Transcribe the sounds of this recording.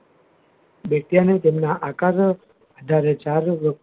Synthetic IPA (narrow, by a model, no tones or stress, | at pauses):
beʈijanet̪emnaʔakaɾ | ad̪ʱaɾet͡ʃaɾʋək